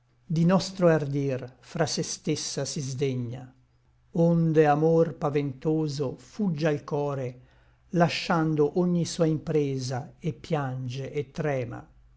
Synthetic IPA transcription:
d̪inɔst̪ɾoard̪irfɾasest̪esːasizd̪eɲːa̰ | ond̪eamorpavent̪oːzofud͡ʒːailkɔːɾe | laʃːand̪oʔoɲːisuːaimpɾeːzaepːjand͡ʒeʔːt̪ːɾɛːma̰

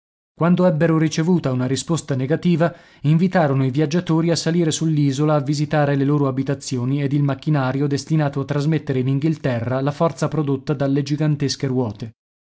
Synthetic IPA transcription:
kwand̪oɛbːeɾoɾit͡ʃevuːt̪aunaɾispost̪aneɡat̪iːva | iɱvit̪aːɾonoivjad͡ʒːat̪oːɾiasaliːɾesulːiːzolaːvːizit̪aːɾeleloːɾoabit̪at̪sːjoːnied̪ilmakːinaːɾjod̪est̪inaːt̪oat̪ːɾazmet̪ːeɾeiniŋɡilt̪ɛrːalafɔrt̪sapɾod̪ot̪ːad̪alːed͡ʒiɡant̪eskerwɔːt̪e

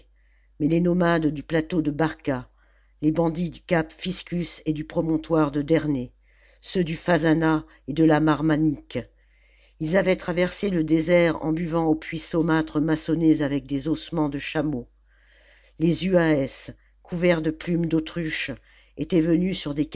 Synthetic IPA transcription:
mɛlenɔmad̪ːyplat̪od̪əbaʁka | lebɑ̃d̪id̪ykapfiskʲysed̪ypχɔmɔ̃t̪waʁd̪əd̪ɛʁne | sød̪yfazana | ed̪əlamaʁmanik | ilzavɛt̪χavɛʁseləd̪ezɛʁɑ̰̃byvɑ̃opʰɥisomat̪χəmasɔnezavɛk̚d̪ezɔsmɑ̃d̪əʃamo | lezyaɛs | kʰuvɛʁd̪əplymd̪ot̪χyʃ | et̪ɛvənysyʁd̪ek

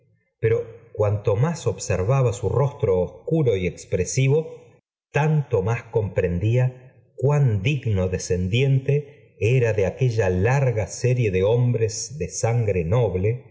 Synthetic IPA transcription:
peɾo̞kwant̪o̞maso̞βseɾβaβasuro̞st̪ɾoːskuɾo̞iekspɾesiβo̞ | t̪ant̪o̞masko̞mpɾe̞nd̪ia | kwand̪iɣno̞ðese̞nd̪jent̪e̞ | eɾaðeake̞ʒalaɾɣaseɾje̞ðeo̞mbɾezðesaŋɡɾeno̞βle

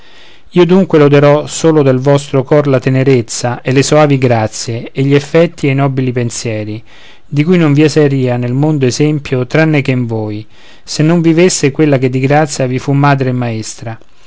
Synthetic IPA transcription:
iːod̪uŋkwelod̪eɾɔsoːlod̪elvɔst̪ɾokɔrlat̪eneɾet̪sːaʔelesoaːviɡɾat̪sːjeːʎːiefːɛt̪ːiejnɔːbilipensjɛːɾi | d̪ikujnoɱviasɛɾiːanelmond̪oezɛmpjot̪ɾanːekeɱvoːj | senːoɱvivesːekwelːaked̪ːiɡɾat̪sːjavifumːaːd̪ɾemːaest̪ɾa

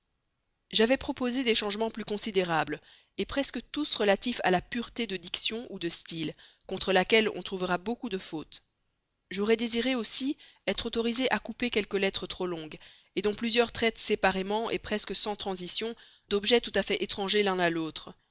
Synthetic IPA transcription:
ʒavɛpχɔpozed̪eʃɑ̃ʒmɑ̃plykɔ̃sid̪eʁabl | epχɛskət̪usʁəlat̪ifa̰lapyʁt̪ed̪əd̪iksjɔ̃ʔud̪əst̪ilkɔ̃t̪χəlakʲɛlɔ̰̃t̪χuvəʁabokud̪əfot̪ | ʒɔʁɛd̪eziʁeosiɛt̪χot̪ɔʁizeʔakupekʲɛlkəlɛt̪χət̪χolɔ̃ɡ | ed̪ɔ̃plyzjœʁt̪χɛt̪sepaʁemɑ̃ʔḛpχɛskəsɑ̃t̪χɑ̃zisjɔ̃ | d̪ɔbʒɛt̪ut̪afɛʔet̪χɑ̃ʒelɛ̃nalot̪χ

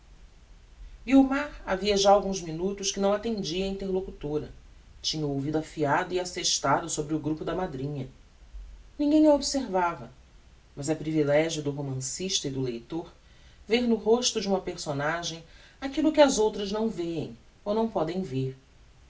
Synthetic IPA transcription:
iumaɾa̰viɐʒaawɡũzminut̪ʊʃkɪnɐ̃w̃at̪ẽnd͡ʒiɐĩnt̪eɾlokut̪oɾɐ | t͡ʃĩɲɐowvid̪ʊafiad̪ʊiaseʃt̪ad̪ʊsobɾɪʊɡɾupʊd̪ɐmad̪ɾĩɲɐ | nĩɡẽj̃ɐobiseɾvavɐ | mɐzɛpɾivilɛʒjʊd̪ʊɦomɐ̃siʃt̪ɐɪd̪ʊlejt̪oɾ | veɾnʊɦoʃt̪ʊd͡ʒɪũmɐpeɾsonaʒẽj̃ | akilʊkɪɐzowt̪ɾɐznɐ̃w̃veḛ̃j̃ | onɐ̃w̃pɔd̪ẽj̃veɾ

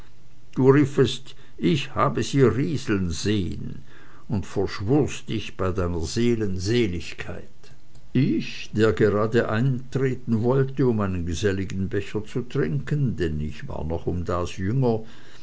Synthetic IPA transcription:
d̥uːʁiːfəst | ɪçhaːbəziːɐʁiːzl̩nz̥eːə̰n | ʊntfɛɐʃvʊɐsd̥ɪçb̥aɪdaɪnɐzeːlənzeːlɪçkʰaɪt | ɪç | d̥eːɐɡeʁaːdəʔaɪntʁ̥eːtn̩vɔltəʊmaɪnənɡəzɛlɪɡn̩bɛçɐt͡sutʁ̥ɪŋkəndɛnɪçva̰ːɐnɔχʊmdaːsjʏŋɐ

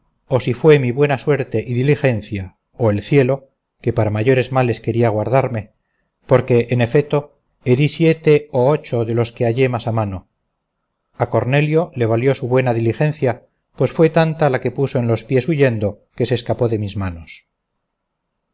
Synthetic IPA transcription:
o̞sifwe̞miβwe̞naswe̞ɾt̪e̞ʔiðilixe̞nθja | oe̞lθje̞lo̞ | ke̞paɾamaʝo̞ɾe̞zmale̞ske̞ɾiaɣ̞waɾðaɾme̞ | po̞ɾke̞ʔːne̞fet̪o̞ | eðisje̞t̪e̞oot͡ʃo̞ðe̞lo̞skeaʝe̞masamano̞ | ako̞ɾne̞ljo̞le̞β̞aljo̞suβwe̞naðilixe̞nθja | pwe̞sfwe̞t̪ant̪alake̞puso̞enlo̞spje̞suʝe̞nd̪o̞ | ke̞seːskapo̞ðe̞mizmano̞s

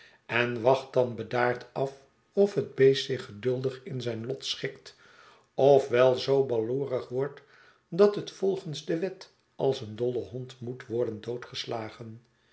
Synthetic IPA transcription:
ɛnʋɑχt̚dɑnbədaːɹtɑf | ɔfɦəd̚bejsɪχədɵlˠdəχɪnzɛjnlɔtsχɪkt | ɔfʋɛlˠzowbɑluːrəχʋɔɹt | dɑtɦətfɔlˠχənzdəʋɛt | ɑlˠsəndɔləɦɔntmutʋɔɹdəndowtχəslaːχən

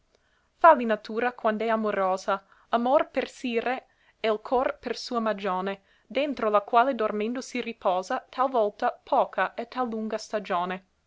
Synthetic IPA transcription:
falinat̪uːɾakwand̪ɛamoɾoːza | amorpersiːɾe | ɛlkʰɔrpersuːamad͡ʒoːne | d̪ent̪ɾolakwaːled̪ormend̪osiripɔːzat̪ʰalvɔlt̪apʰɔːkʰaʔɛt̪ːalːuŋɡast̪ad͡ʒoːne

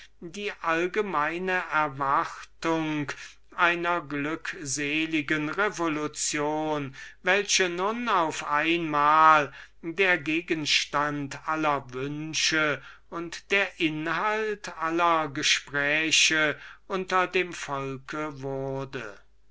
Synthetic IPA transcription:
diːʔalɡəmaɪnəʔɛɐvaχtʊŋk | ʔaɪnɐɡlʏkzeːlɪɡənʁevolʊt͡sjoːnvɛlɕənʊnaʊfʔaɪnmaːl | deːɐɡeːɡənʃtantʔalɐvʏnʃə | ʊntd̥eːɐʔɪnhaltʔalɐɡəʃpʁ̥ɛːɕəʔʊntɐdeːmfɔlkʰəvʊɐdə

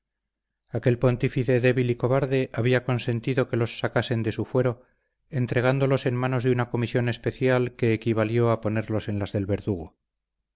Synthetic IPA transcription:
ake̞lpo̞nt̪ifiθe̞ðe̞βiliko̞βaɾðe̞ʔaβiako̞nse̞nt̪iðo̞ke̞lo̞sːakase̞nd̪e̞sufwe̞ɾo̞ | ent̪ɾe̞ɣ̞and̪o̞lo̞se̞nmano̞zðunako̞misjo̞ne̞spe̞θjalke̞ːkiβ̞aljo̞apo̞ne̞ɾlo̞se̞nlazðe̞lβe̞ɾðuɣo

